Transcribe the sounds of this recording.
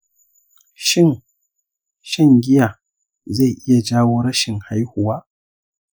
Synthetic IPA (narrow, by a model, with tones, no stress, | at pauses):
ʃɪ˦n | ʃɐ˦˨ŋɡʲɪ˦jaː˨ | za˦˨jʔɪ˦ja˨d͡ʒaː˦woː˦ɾɐ˦ʃɪ˨ŋha˦jhʊ˨waː˦